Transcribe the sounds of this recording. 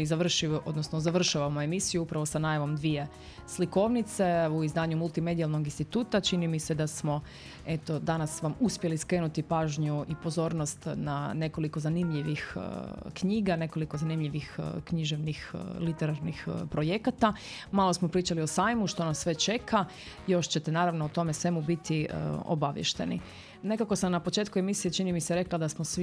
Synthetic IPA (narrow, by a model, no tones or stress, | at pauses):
izaʋr̩ʃio̞d̪nosnozaʋr̩ʃaʋamoe̞misijuupɾaʋo̞sanaːjaʋo̞md̪ʋije̞ | sliko̞ʋnit̪se̞uizd̪aːɲumulˠt̪ime̞d̪ialˠno̞ɡinst̪it̪uːt̪at͡ʃinimise̞d̪asmo̞ | e̞t̪o̞d̪anasʋamuspje̞liskɾe̞ːnut̪ipaːʒɲuipo̞zo̞ːɾnost̪nane̞ko̞liko̞zanimʎiʋixkɲiːɡane̞ko̞liko̞zanimʎiʋixkɲiʒeʋnixlit̪eɾaɾnixpɾo̞jekat̪a | maːlosmo̞pɾiːt͡ʃalio̞saːjmuʃt̪o̞nasːʋe̞t͡ʃe̞kʰa | jo̞ʃt͡ɕet̪enaːɾaʋnout̪o̞mesʋe̞mubit̪iəo̰baʋjḛʃt̪e̞̰nḭ | ne̞kako̞samnapo̞t͡ʃe̞ːt̪kue̞misijet͡ʃinimiseɾe̞klad̪asmosʋi